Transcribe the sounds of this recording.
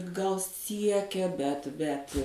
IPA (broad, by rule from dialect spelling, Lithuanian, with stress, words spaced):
ɡɐlˠ ˈsʲiɛkʲɛ bʲɛt bʲɛt